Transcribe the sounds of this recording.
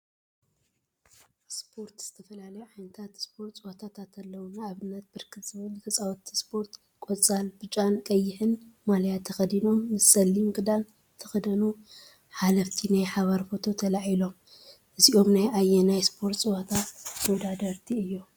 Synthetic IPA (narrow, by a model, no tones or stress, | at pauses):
spʰo̞ɾt̪z̥ɨt̪ʰɐfɐlalɐjuʕajnɨt̪ʰat̪spʰo̞ɾt̪sʼɨwot̪ʰat̪ʰat̪ʰɐlːɐwunaaβɨnːɐt̪̚bɨɾkʰɨt̪z̥ɨβɨlt̪ʰɐt͡sʼawt̪ʰːi̥spʰo̞ɾt̪ | kʼot͡sʼalbɨt͡ʃʼankʼɐjːɪħɨnmalɐjat̪ʰːɐxɐd̪ino̞mːɨsːɐlːimɡʼɨd̪al | t̪ʰɐxɐd̪ɐnu | ħalɐft̪ʰinajħaβɐɾfo̞t̪ʰo̞t̪ʰɐlaʕilo̞m | ʔɨziʔo̞mnajʔajːenajspʰoɾt̪sʼɨwat̪ʰamɐwd̪ad̪ɐɾt̪ʰiɨjːu